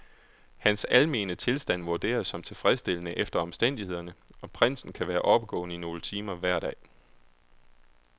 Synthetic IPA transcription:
hænsælme̝̰ːnət͡sʰe̝lsd̥æn̰ʋuɐd̥e̝̰ːɐshɒ̽mt͡sʰe̝lfʁɛðˠsd̥e̝lənəʔefd̥ɐɒ̽msd̥en̰d̥ihe̝ð̞̰ˠɐnəɒ̽pʰʁen̰sn̩kʰæʋæːɐʔɒ̽b̥əɡ̥ɔ̰̽ːnəino̝ːlət͡sʰiːmɐʋæɐ̰ɾɛ̰ː

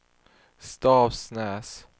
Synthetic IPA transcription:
st̪ɑːvsnæːs

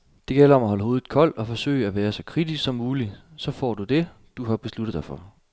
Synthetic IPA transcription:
d̥e̝ɡ̥el̰ɐɒ̽mæɦɒ̽ləɦo̝ːð̩ˠkʰɒ̽l̰̥ɒ̽fɒ̽sø̰ɪæʋæːɐsɒ̽kʰʁid̥isɡ̥sɒ̽mːuːlisɒ̽fɒ̰ːd̥ud̥e̝ | d̥uɦɑ̈b̥e̝slud̥ðˠd̥ɑɪfɒ̽

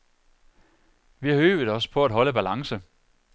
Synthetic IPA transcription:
ʋihɑ̈øːb̥ðˠɒ̽sə̥pʰɒ̽æd̥ɦɒ̽ləb̥ælɑ̈ŋsə

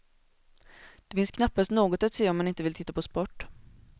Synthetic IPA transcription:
d̪̥ɛfɪnskʰnapːast̪noːɡɔt̪at̪seːɔmːanɪnt̪əvɪlt̪ʰɪt̪ːapʰɔspɔʈː

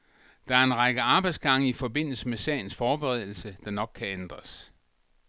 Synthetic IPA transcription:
d̥ɑ̈æɐe̝nʁɑɡ̥əɑ̈ːb̥ɑ̈ɪd̥sɡ̥ɑ̈ŋ̰əifɒ̽be̝n̰l̩səmesɛ̰ɪn̩sfɒːb̥eʁɛð̞̰ˠl̩səd̥ɑ̈nɒ̽ɡ̥̚kʰːæend̥ʁɐs

